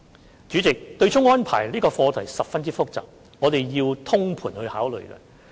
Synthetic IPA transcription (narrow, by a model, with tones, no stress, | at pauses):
t͡ʃy˨˥t͡sɪ˨k̚t̪ɵ˧ɥt͡ʃʰʊ˥ŋɔː˥npʰa̰ː˨˩jliː˥kɔː˧fɔː˧t̪ʰɐ˨˩jsɐ˨p̚fɐ˥nt͡siː˥fʊ˥k̚t͡sa̰ː˨p̚ | ŋɔː˨˧t̪e˨jjiː˧wt̪ʰʊ˥ŋpʰuː˨˩nhɵ˧ɥhaː˨˥wlɵ̰˨ɥkɛ̰˧